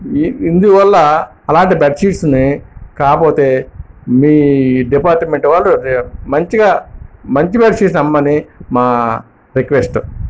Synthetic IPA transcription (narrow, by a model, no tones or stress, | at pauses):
ind̪uʋɐlːɐ | ɐlaːɳʈibɛʈʃiːʈsnekaːpoːt̪e̞ːmiːɖipaːɾʈmeɳʈʋaːlːumɐɲt͡ʃiɡaːmɐɲt͡ʃibaːʈʃis̬nɐmːɐnimaː | ɾikʋesʈu